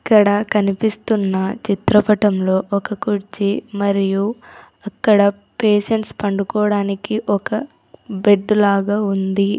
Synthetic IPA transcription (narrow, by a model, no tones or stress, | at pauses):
ɐkːɐɽɐkɐnipist̪unːɐt͡ʃit̪ɾɐpɐʈɐmlo̞ːʔɔkɐkuɾt͡ʃimɐɾiju | ɐkːɐɽɐ | peːʃeɳʈspɐɳɖukɔːɽaːnikiʔɔkɐ | beɖːulaːɡaːund̪i